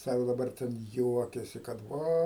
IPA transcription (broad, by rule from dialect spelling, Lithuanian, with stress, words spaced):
ˈsɑːkoː dɐˈbɐr tʲɛn ˈjuɔkʲɛsʲɪ kɐt ˈʋɐ